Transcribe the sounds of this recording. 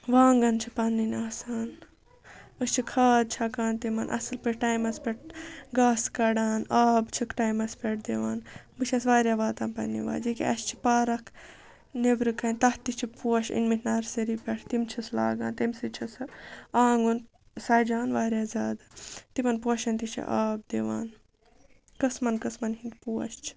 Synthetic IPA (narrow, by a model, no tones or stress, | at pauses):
ʋaːŋɡɐnt͡ʃʰipɐnːinaːsaːn | ɨst͡ʃʰikʰaːd̪̚t͡ʃʰɐkaːnt̪imɐnʔɐ̰sɨlpɨʈʈɐjmɐspʲɛʈ̚ʰɡaːskɐɽaːnaːbt͡ʃʰɨkʈajmɐspʲeʈ̚ʰd̪eʋaːnbɨt͡ʃʰɐsʋaːɾjaːʋaːt̪aːnpɐ̰nːḭʋa̰ːd͡ʒikiɐst͡ʃʰi̥paːɾɐkʰ | neʋɾɨkɐnʲt̪ɐht̪ːit͡ʃʰipuɐʃḭnmihʰʲnɐɾseɾipʲeʈʰt̪imt͡ʃʰɐsla̰ːɡaːnt̪imsit͡ʃʰɐsaːŋɡon | saːd͡ʒaːnʋaːɾʲjaːzʲaːd̪t̪imɐnpuɐʃɐnʲt̪it͡ʃʰḭʔaːb̚d̪iʋa̰ːn | kɐsmɐnkɐsmɐnɦind̪puwɐ̰ʃt͡ʃʰi̥